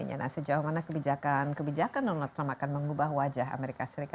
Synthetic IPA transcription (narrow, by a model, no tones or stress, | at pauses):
ɲa̰na̰səd͡ʒawamanakəbid͡ʒakankəbid͡ʒakandɔnalt̪ːɾamakanməŋubaɦwad͡ʒaɦa̰meɾikasəɾika